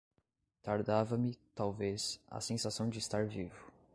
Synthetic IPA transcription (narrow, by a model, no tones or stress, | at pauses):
t̪aɾd̪avɐmɪt̪awvesɐ̰sẽsasɐ̃w̃d͡ʒɪːst̪aɾvivʊ